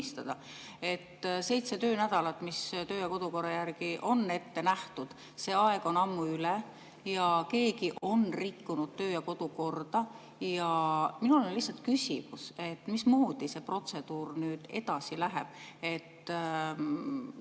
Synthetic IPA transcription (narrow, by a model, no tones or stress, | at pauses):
ist̪ɑd̪̥ɑ | e̞t̪ːse̞jt̪se̞t̪ø̞ːnæd̪̥ɑlɑt̪ːˑmist̪ø̞ːjɑko̞d̪̥uko̞rːɑjærɡ̥iʔo̞nːe̞t̪ːe̞næht̪ud̪̥ | se̞ːɑe̞ɡ̥o̞nɑmːuyle | jɑke̞ːkiʔo̞nrikːunud̪̥̚t̪øːjɑko̞d̪̥uko̞rd̪̥ɑ | jɑminulonlːisːɑlt̪̚kysʲimuse̞t̪ːˑmismuːd̪ise̞pro̞t̪se̞d̪̥uːrnyːd̪̥e̞d̪̥ɑsilæɦḛb̥̚e̞t̪ː